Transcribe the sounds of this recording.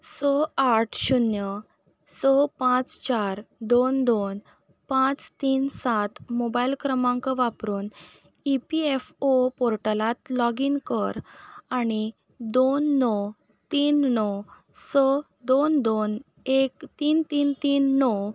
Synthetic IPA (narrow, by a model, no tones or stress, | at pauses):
sɔaʈʰɕunjə | sɔpãt͡st͡ɕaɾd̪ond̪on | pãt͡st̪iːnsat̪mobailkɾəmãŋkəʋapɾuːn | ipiefopɔɾʈəlãt̪lɔɡinkəɾaɽ̃i | d̪onːɔ | t̪iːnːɔ | sɔ | d̪ond̪on | ekt̪iːnt̪iːnt̪iːnːɔ